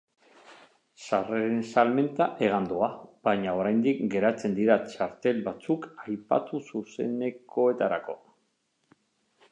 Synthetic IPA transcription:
sareɾe̞nsalme̞nt̪aʔe̞ɣ̞and̪uabaɲao̞ɾajnd̪ikɡe̞ɾat͡se̞nd̪iɾat͡ʃaɾt̪e̞lβat͡sukajpa̰t̪ususe̞ne̞kʰo̞e̞t̪aɾa̰ko̞̰

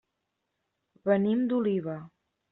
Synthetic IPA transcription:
βənimd̪uliβə

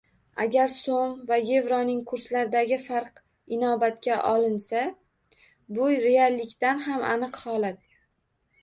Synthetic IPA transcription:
aɡʲaɾsomvaje̞vɾɒnɪŋkʰʊɾslaɾɪd̪aɡʲɪfaɾq | ɪnɒbat̪kʲaʔɒlɪnsa | bʊjɾealːɪkʲt̪anɦama̰nɨqhɒlat̪

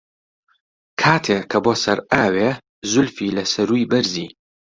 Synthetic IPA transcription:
kʰaːt̪ʰeɐboːsɐɾaːwe | zʊlfiːlɐsɐɾujbɐɾziː

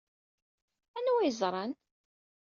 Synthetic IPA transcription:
ænuwijzˤɾˤɑn

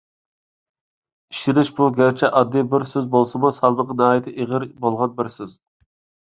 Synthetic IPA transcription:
iʃɪnɪʃbuɡʲæɾt͡ʃʰɛʔɑd̪ːibɪɾsøzbolˠsɨmusɑlˠməqɑnɑːɦit̪ʰɪʔeʁəɾbolˠʁɑnbɪɾsøz̥

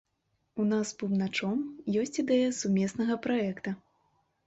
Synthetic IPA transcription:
unaspubnat͡ʂɔmjɔsʲt͡sʲid̪ɛjɐsumʲɛsnɐɣɐpɾaɛkt̪ɐ

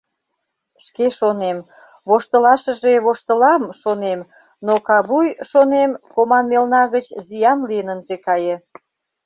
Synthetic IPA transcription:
ʃkeʃonem | βoʃt̪əlɑʃəʒeβoʃt̪əlɑmʃonem | nokɑβujʃonemkomɑnmelnɑɣət͡ɕzijɑnlijənənʒekɑjĕ

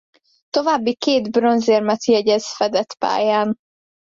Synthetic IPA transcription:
t̪o̞vaːbːikeːd̪bro̞nzeːrmɛt̪jɛɟɛzfɛd̪ɛt̪pa̰ːjaːn

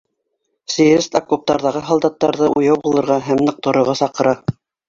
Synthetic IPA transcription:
sijɾʲɘst̪akup̚t̪ɑɾðɑʁɤɦɑlˠd̪ɑt̪ːɑɾðɤʔujɑwbulˠɤ̆ɾʁɑɦæmnɤ̆q̚t̪ŏɾŏʁɑsɑqɤ̆ɾɑ

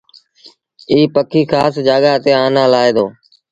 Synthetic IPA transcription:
iːpəkʰiːxaːsd͡ʒaːɠaːt̪eːaːnãːlaːeːd̪oː

